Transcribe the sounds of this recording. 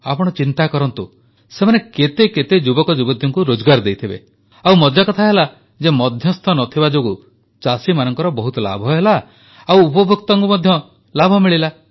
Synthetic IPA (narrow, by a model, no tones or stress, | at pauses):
apɔɽ̃ɔt͡ʃint̪akɔɾɔnt̪u | semaneket̪eket̪ed͡ʒubɔkɔd͡ʒubɔd̪ʱjɔŋkuɾod͡ʒɔɡaɾd̪ejt̪ʰibḛ | awmɔd͡ʒ̪jakɔt̪ʰaɦela | d͡ʒemɔd̪ʱjɔst̪ʰɔnɔt̪ʰibad͡ʒoɡu | t͡ʃasimanɔŋkɔɾɔbɔɦut̪ɔla̰bʱɔɦela | awupɔbʱuk̚t̪ɔŋkumɔd̪ʱjɔ | labʱɔmiɭila